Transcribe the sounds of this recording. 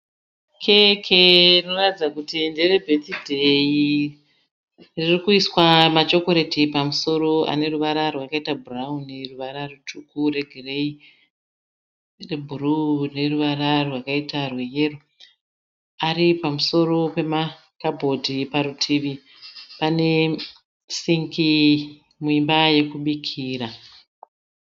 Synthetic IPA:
kʰekʰeino̞ratid͡zakutinderebʱetidʱei | ririkuiswamat͡ʃo̞ko̞ɾetipamuso̞ɾo̞a̰ne̞ruʋaɾarwakaitabʱurauniruʋaɾarutʰukure̞ɡʱire̞i | rebʱuɾune̞ruʋararwakaitarweje̞ru | aripamuso̞ɾo̞pe̞ma | kabʱo̞dʱipaɾutʰiʋi | pane̞ | siŋkʰi | muimbaje̞kuɓikʰiːra

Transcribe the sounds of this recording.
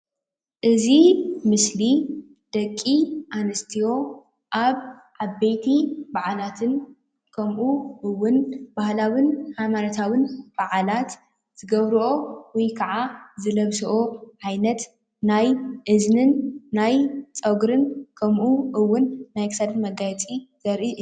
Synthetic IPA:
ʔɨzimɨsli | d̪̥ɐkʼːiʔanɨst̪ʰijo̞ | ʔaβ | ʕabːejt̪ʰibaʕalat̪ʰɨn | kʰɐmʔuʔɨwːʊnb̥ahlawɨnhajmanɐt̪ʰawɨnb̥aʕalat̪ | z̥ɨɡɐβɾuʔo̞wujkʰɐʕazɨlɐβsɐʔoʕajnɐt̪ | najʔɨznɨnːajt͡sʼɐɡɾɨnkʰɐmʔuʔɨwːʊnːajksad̪ɨnmɐɡajɛt͡sʼiz̥ɐɾʔi

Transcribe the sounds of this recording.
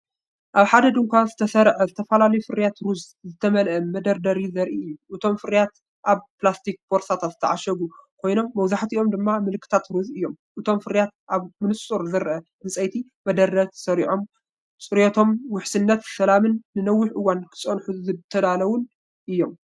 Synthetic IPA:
ʔaβħad̪ɐd̪ɨŋkʷʰazɨt̪ʰɐsɐɾʕɐzɨt̪ʰɐfɐlalɐjufɨɾjat̪ɾuz | zɨt̪ʰɐmɐlʔɐmɐd̪ɐɾd̪ɐɾizɐɾʔiɨjːuʔɨt̪ʰo̞mfɨɾjat̪ | ʔaβplast̪ʰik̚bo̞ɾsat̪ʰat̪zɨt̪ʰɐʕaʃɐɡukʰo̞jno̞mːɐwzaħt̪iʔo̞md̪ɨmːamɨlkʰːɨ̥t̪ʰat̪ɾuzɨjːom | ʔɨt̪ʰo̞mfɨɾjat̪̚ʔaβmɨnɨsʼuɾzɐɾʔɐ | mɨsʼɐjt̪ʰi | mɐd̪ɐɾd̪ɐt̪ʰsɐɾiʕo̞m | sʼɨɾjot̪ʰo̞mwʊħsɨnːɐt̪sɐlamɨnːɨnɐwːʊħʔɨwːankʰɨ̥sʼɐnħuzɨt̪ʰɐd̪alɐwʊn | ʔɨjːo̞m

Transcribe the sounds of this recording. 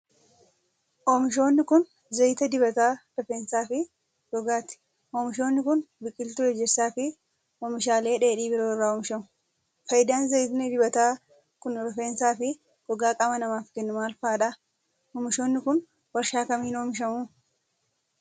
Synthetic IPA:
ʔɔːmɪʃ̬o̞ːnːɪkʊn | zɐjɪt̪ɐd̪ɪbɐt̪aːɾ̥ɔfeːnsaːfɪ | ɡ̥ɔɡaːt̪ɪ̥ | omɪʃo̞ːnːɪkʊnbɪkʼːɪlt̪ʊɛd͡ʒːɛɾsaːfɪ | ɔmɪʃaːle̞ːᶑe̞ːᶑiːbɪɾoːrːaːoːmɪʃɐmʊ̥ | fɐjɪd̪aːnzɐjɪt̪nɪd̪ɪbɐt̪aː | kʊnɾɔfeːnsaːfɪ | ɡ̥ɔɡaːkʼɐmɐnɐmaːfkɛnːʊmaːlfaːᶑɐ | oːmɪʃo̞ːnːɪkʊn | wɐɾʃaːkɐmiːnoːmɪʃ̬ɐmuː

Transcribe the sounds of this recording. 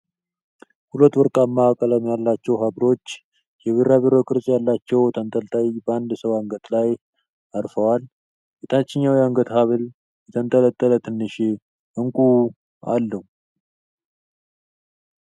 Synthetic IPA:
hulət̪wɔɾkʼamːawkʼələmjalːat͡ʃːɛwɦabɾo̞t͡ʃː | jɛβeɾaβeɾokʼɨɾsʼjalːat͡ʃːɛwt̪ʰənt̪ʼəlt̪ʼajibəand̪səwaŋɡət̪laj | aɾfəwal | ɡet̪ʰat͡ʃːɪɲːawiaŋɡət̪haβɨl | jɛt̪ʰənt̪ʼələt̪ʼːələt̪ʰɨnːɨʃe | ɨŋkʼu | a̰lːəhu

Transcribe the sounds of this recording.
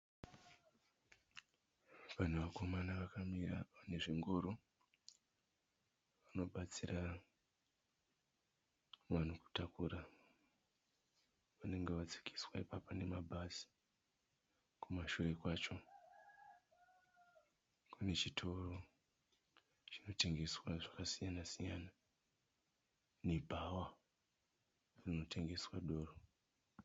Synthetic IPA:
ʋan̤uʋako̞manaʋakamirane̞ʐiŋɡoɾo | ʋano̞ɓat͡sira | man̤uku̥takuɾa | ʋane̞ŋɡe̞ʋat͡si̥kʰi̥swaipapone̞mabʱasi̥ | kumaʃuʋekwat͡ʃo̞ | kʰune̞t͡ʃitʰo̞ro̞ | t͡ʃino̞te̞ŋɡe̞swaʐakasijanasijana | ne̞bʱawa | rino̞tʰe̞ŋɡe̞swaɗo̞ːro

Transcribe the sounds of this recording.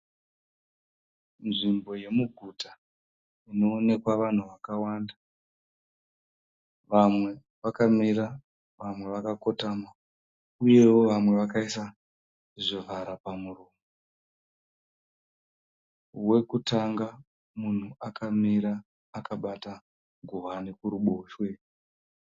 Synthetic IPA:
nʐimbo̞je̞muɡʱuta | ino̞ːne̞kwaʋan̤uʋakawaːnda | ʋamwe̞ | ʋakamiɾa | ʋamwe̞ʋakako̞tama | uje̞wo̞ʋamwe̞ʋakaisa | ʐivʱaɾapamuroːmo | we̞kutaŋɡa | mun̤uakʰamiɾaː | kaɓata | ɡʱuʋanekuɾuɓo̞ːʃwe̞

